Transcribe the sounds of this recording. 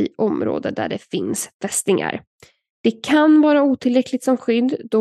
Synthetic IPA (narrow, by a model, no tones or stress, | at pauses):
ɪːʔɔmɾo̰ːd̪əd̪æ̰ɖɛfɪnsfʰɛst̪ɪŋa̰ɾ | d̪̥ɛkʰanvɑːɾauːt̪ʰɪlɾɛklɪɡ̚t̪sɔmɧʏd̪ːd̪ɔ